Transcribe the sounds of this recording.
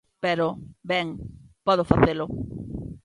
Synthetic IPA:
peɾobɛŋpɔðofaθelʊ

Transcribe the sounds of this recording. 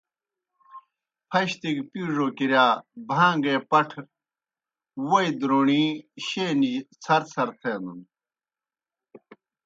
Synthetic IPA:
pʰɐɕt̪iɡpuːʐoːkiɾjaːbʱãːŋɡeːpɐʈʰ | woid̪ɾoːɳiːɕeːnit͡sʰɐɾt͡sʰɐɾt̪ʰeːnun

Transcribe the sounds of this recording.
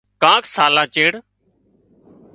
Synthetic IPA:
kãːksaːlaːt͡ʃeːɽ

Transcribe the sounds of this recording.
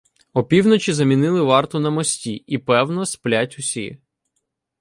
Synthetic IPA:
ɔpʲiwnɔt͡ʃizɐmʲinɪlˠɪʋɑrt̪ɔnɐmɔsʲtʲiipɛwnɔsplʲatʲʊsʲḭ

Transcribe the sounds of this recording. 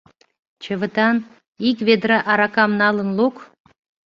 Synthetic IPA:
t͡ɕə̆və̆t̪ɑn | ikvʲed̪ɾɑʔɑɾɑkɑmnɑlə̆nluk

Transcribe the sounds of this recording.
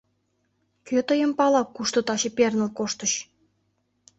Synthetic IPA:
kʲøt̪ə̆jə̆mpɑlˠɑkːuʃt̪ŏt̪ɑɕĕpʲernə̆lkoʃt̪ə̆ɕ

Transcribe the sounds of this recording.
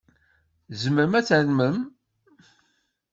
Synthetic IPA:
zəməɾmæt͡sːənməm

